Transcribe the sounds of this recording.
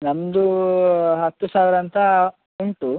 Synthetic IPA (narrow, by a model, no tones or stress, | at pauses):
nɐmd̪u | ɦɐt̪ːusaːʋiɾɐnt̪ɐ | uɳʈu